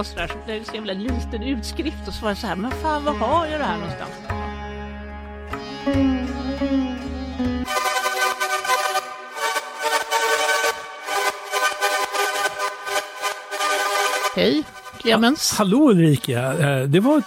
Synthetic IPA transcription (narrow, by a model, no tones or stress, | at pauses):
sɾæʂɔlɛsevɛlɛnliːt̪ənʉ̟ːt̪skɾɪft̪ɔsʋɑːɾasɔhæːɾmɛnfaːnvahajad̪ɛhæːɳɔnst̪a̰ns | hɛj | kʰleːmɛnhaloːɵlɾiːkad̪ɛva